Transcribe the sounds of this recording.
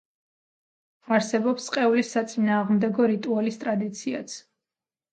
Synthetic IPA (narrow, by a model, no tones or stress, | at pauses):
aɾsɛbɔpsqʼɛulisat̪sʼinaːʁmd̪ɛɡɔɾit̪ʼualist̪ʼɾad̪it̪sʰia̰t̪sʰ